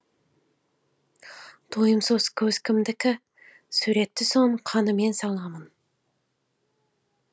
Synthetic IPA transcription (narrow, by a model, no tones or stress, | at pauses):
d̪̥ʰojəmsəz̥kʲʰɵz̥kʲʰɪmd̪ɪkʲɪ | sʉɾe̞t̪ːɪsoɴəqʰɑnəme̞nsɑlˠɑmən